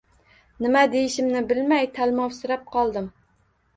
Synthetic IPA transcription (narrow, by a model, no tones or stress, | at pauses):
nɪmad̪ejɪʃɪmnɪbɪlmajt̪ʰalˠmɒwsɪɾap̚qʰɒlˠd̪ɪm